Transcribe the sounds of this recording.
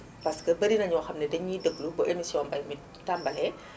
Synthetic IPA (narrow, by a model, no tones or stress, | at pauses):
pɐskəbɐɾinɐɲɔwxɐmnɐdɛɲidəblubɐʔemisijɔnbɐjmi | tːambɐlɛ